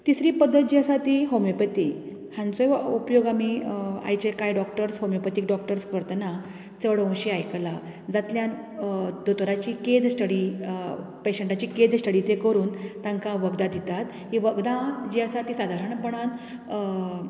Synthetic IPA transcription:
t̪isɾiːpəd̪ʱːət̪̚d͡ʑiəsat̪iɦomepət̪i | hãnt͡sojupjoɡamia̰jt͡ɕekajɖɔkʈəɾsɦomipət̪iːkɖɔkʈəɾskəɾt̪na | t͡səɽõw̃ɕiajkla | d͡zat̪ljan | d̪ot̪ɾat͡ɕiked͡zsʈəɽi | peɕəɳʈat͡ɕiːked͡zsʈəɽit͡s̪ekəɾuːnt̪ãŋkaʋəɡd̪ad̪ʱit̪at̪ | ɦiʋəɡd̪ãd͡ʑiəsat̪iːsad̪ʱaɾəɳpəɳ̃an

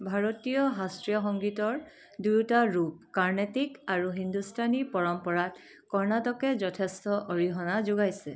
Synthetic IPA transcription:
bʱaɹotijɔɦastɹijɔxɔŋɡitɔɹ | dujtaɹup̚kaɹnetikaɹuɦindustʰanipɔɹɔmpɔɹat | kɔɹnatɔkɛzɔtʰestɔʔoɹiɦɔnazuɡajsɛ

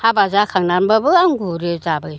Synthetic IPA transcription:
habazakʰaŋnanmbabɯaŋɡuɾɯzabɯ

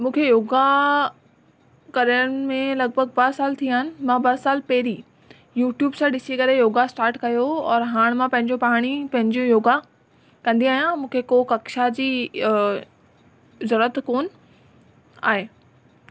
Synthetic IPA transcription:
mũːkʰejoːɡa | kɐɾjəɽ̃mẽlɐɡbʱəɡ̚bɐɦsaːlt̪ʰiaːɦɪnɪ̆mãbɐsaːlpɛɦɪɾi | juːʈjuːbsãɗɪsikɐɾejoːɡasʈaːɾʈkɐjoɔːɾɦaːɽ̃mãpɐ̃ɦɪ̃ɲd͡ʑopaːɽ̃ipɐ̃ɦɪ̃ɲd͡ʑjõjoːɡa | kɐ̃nd̪iaːɦijãmũːkʰekokɐkʃad͡ʑiː | ʊzəɾət̪koːn | a̰ːɦeː

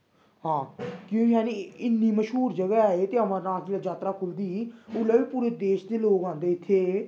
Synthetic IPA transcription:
hãːkjõːkjaːniɪnːiːməʃɦuːɾd͡ʒəɡɛaeːt̪eːəmãːnãːkiːlad͡ʒaːt̪ɾaːkʰʊld̪iːʊlaːʋiːpuːɾeːd̪eːʃd̪eːloːɡãːd̪eːɪt̪ʰːeː

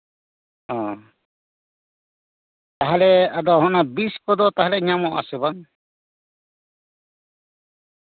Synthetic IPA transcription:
ɔ̃ | t̪aɦalɛad̪ɔɦɔnabiskɔd̪ɔt̪aɦalɛɲamɔʔa̰sɛbaŋ

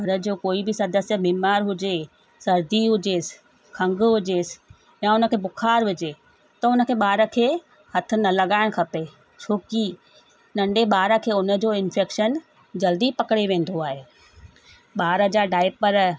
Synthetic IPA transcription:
ɡʱɐɾəd͡ʑoːkoːibɪsɐd̪əsjəmiːmaːɾɦʊd͡ʑe | sɐɾd̪iɦʊd͡ʑes | kʰɐ̃ŋɡɦʊd͡ʑeːsɪ̥ | jaʊnə̆kʰeːbʊkʰaːɾʋɪd͡ʑe | t̪ɐʊnə̆kʰeːɓaːɾə̆kʰeː | hɐt̪ʰʊ̆nɐlɐɠaːɪɽ̃kʰɐpe | t͡ɕʰoːki | nɐ̃ɳɖeɓaːɾəkʰeːʊnə̆d͡ʑoːɪnfʰeːkʃən | d͡ʑɐld̪ipɐkɽeʋẽːn̆d̪oaːɦeː | ɓaːɾəd͡ʑaːɖaːɪpəɾ

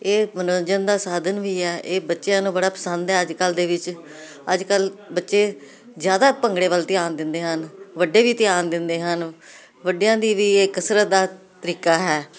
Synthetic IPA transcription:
eːmənənd͡ʒənd̪aːsaːd̪ənʋiːɛːʔeːbətːʃejãːnũːbəɽaːpəsənd̪ɦɛːəd͡ʒkəld̪eːʋɪt͡ʃ | əd͡ʒkəlbətːʃeː | zjaːd̪aːpəŋɡɽeːʋəlt̪ɪjaːnd̪ɪnd̪eːɦənʋəɖeːʋiːt̪ɪjaːnd̪ɪnd̪eːɦən | ʋəɖijãːd̪iːʋiːeːkəsɾət̪̚d̪aː | t̪əɾiːkaːɦɛː

